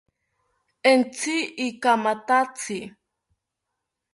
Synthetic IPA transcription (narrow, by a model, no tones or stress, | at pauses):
ent͡siikamat̪at͡sʰi